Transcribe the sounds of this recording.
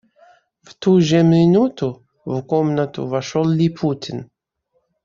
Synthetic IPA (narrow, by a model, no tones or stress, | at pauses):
vt̪uʒɛmʲɪnut̪ʊ | vkomnɐt̪ʊ̰vɐʃolˠlʲipʰutʲɪn